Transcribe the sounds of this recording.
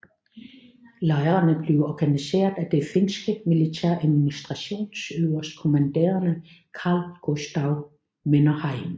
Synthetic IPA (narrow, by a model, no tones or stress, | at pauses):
lɑ̈ɪɐʁɐnəb̥le̝ʊɒɡ̥ænise̝̰ːɐðˠæd̥e̝fe̝nsɡ̥əmilit͡sʰæɐ̰ʔæðˠminisd̥ʁɑ̈ɕo̝̰ːnsøʊɐskʰo̝mænd̥ḛːɐnə | kʰɑ̈ːlɡ̥osd̥ɑ̈ʊ | menɐhɑ̈ɪ̰m